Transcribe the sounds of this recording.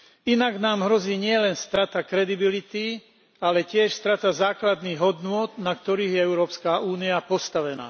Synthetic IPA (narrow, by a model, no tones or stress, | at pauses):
inaɡnaːmɦɾɔziːɲɪɛlɛnst̪ɾat̪akɾɛd̪ibilit̪i | alɛcɪɛʃst̪ɾat̪azaːklad̪niːɣɦɔd̪nʊɔd̪nak̚t̪ɔɾiːɣjɛɛʊɾɔːpskaːʔuːniapɔst̪aʋɛna̰ː